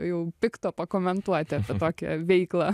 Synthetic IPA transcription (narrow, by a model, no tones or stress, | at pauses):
jɛʊpʲɪkt̪ɔpɐkomʲɛnt̪uɔt̪ʲɪɐpʲɛt̪oːkʲɛ̰ʋʲɛiːklˠɑ